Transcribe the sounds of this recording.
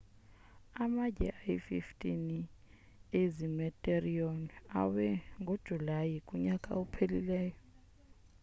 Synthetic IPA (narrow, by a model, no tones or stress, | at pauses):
amad͡ʒʱɛ̰ʔajfiftʼini | ezimɛtʼeriona̰wɛŋɡʱod̥ʒ̥ʱulajikʼuɲakʼa̰upʰelḭlɛːjɔ